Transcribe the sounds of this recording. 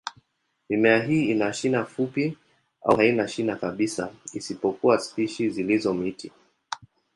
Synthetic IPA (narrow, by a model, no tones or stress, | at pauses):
mimɛaɦiːinaʃinafupi | a̰hainaʃinakaɓisa̰isipɔkuwaspiʃizilizɔm̩iti